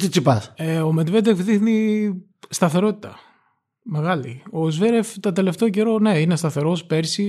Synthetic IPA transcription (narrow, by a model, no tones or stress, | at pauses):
t̪it͡sipɐseomet̪ved̪efðixni | st̪ɐθe̞ɾo̞t̪i̥t̪ɐ | me̞ɣɐlio̞zveɾeft̪ɐt̪e̞le̞ft̪e̞oce̞ɾo̞ne̞inest̪ɐθe̞ɾo̞spe̞ɾsi